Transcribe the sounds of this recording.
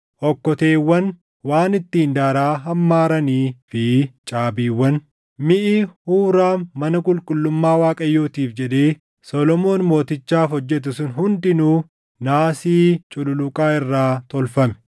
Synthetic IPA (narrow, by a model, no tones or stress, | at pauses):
ʔɔkːɔt̪eːwːɐn | waːnɪt̪ːiːnd̪aːɾaːɦɐmːaːɾɐniːfɪt͡ʃʼaːbiːwːɐn | mɪʔɪhuːɾaːmɐnɐkʼʊlkʼʊlːʊmːaːwaːkʼɐjːoːt̪iːfd͡ʒɛᶑ̪eː | sɔlɔmo̞ːnmo̞ːt̪ɪt͡ʃːaːfɔd͡ʒːɛt̪̬ʊsʊnɦʊnd̪ɪnuː | naːsiːt͡ʃʼʊlʊlʊkʼaːɪrːaːt̪ɔlfɐmɛ̥